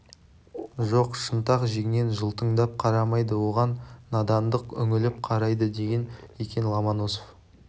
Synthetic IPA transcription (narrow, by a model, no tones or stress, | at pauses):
ʒoqʃənt̪ɑqʒeɡʲɪne̞nʒəlˠt̪əɴd̪ɑp̚qʰɑɾɑmɑjd̪əwo̞ʁɑnːɑd̪ɑnd̪əqʏŋɪlɪp̚qʰɑɾɑjd̪əd̪e̞ɡʲenekʲe̞nlˠɑmɑnosof